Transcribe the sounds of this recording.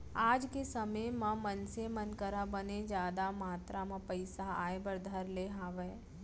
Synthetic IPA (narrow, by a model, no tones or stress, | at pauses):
aːd͡ʒkesɐməjmɐ̃mɐnsemɐnkəɾabɐned͡ʒjaːd̪amaːt̪ɾʔamãpəɪsaa̰ːebəɾd̪ʱɐɾleɦaːʋeː